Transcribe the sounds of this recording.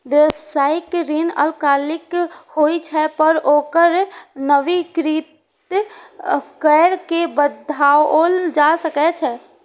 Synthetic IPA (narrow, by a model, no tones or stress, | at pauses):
ɾesaːɪkɾinə̰lkaːlɪkhoːit͡ʃʰɛpəɾoːkəɾnəʋikɾiːt̪ | kɛːɾkebəd̪ʱaːʋoːld͡ʒasəkɛt͡ʃʰɛ